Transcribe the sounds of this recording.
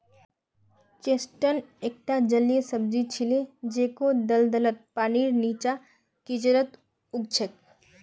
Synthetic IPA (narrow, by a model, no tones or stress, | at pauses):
t͡ʃesʈənek̚ʈad͡ʒəljesəb̚d͡ʒit͡ʃʰiled͡ʒeːkod̪əld̪ələt̪̚paːniɾnit͡ʃa | kid͡ʒɾət̪ | ʊk̚t͡ʃʰək̚